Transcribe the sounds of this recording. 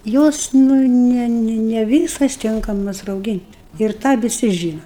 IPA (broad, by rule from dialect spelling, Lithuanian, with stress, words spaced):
ˈjoːs ˈnʊ nʲɛ nʲɛ ˈʋʲiːsɐs ˈtʲɪŋkɐmɐs rɐʊˈɡʲiːnʲtʲ ɪr ˈtɑː ʋʲɪˈsʲɪ ˈʒʲiːnɐ